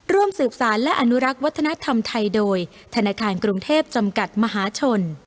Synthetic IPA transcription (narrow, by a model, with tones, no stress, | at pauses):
ɾu˥˩əmsɯː˨˩p̚saː˩˦nlɛ˦˥ʔa˧nu˦˥ɾa˦˥k̚wa˦˥t̪ʰːa˧na˦˥t̪ʰa˧mt̪ʰa˧jdoː˧j | t̪ʰa˧naː˧kʰaː˧nkɾu˧ŋt̪ʰeː˥˩p̚t͡ɕa˧mka˨˩t̪̚ma˧ɦaː˩˦t͡ɕʰo˧n